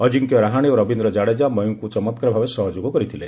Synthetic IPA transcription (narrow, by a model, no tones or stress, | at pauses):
ɔd͡ʒiŋkijɔɾaɦaɽ̃ioɾɔbʱind̪ɾɔd͡ʒaɽed͡ʒamɔjuŋkut͡ʃɔmɔt̪̚kɔɾɔbʱabesɔɦɔd͡ʒoɡɔkɔɾit̪ʰile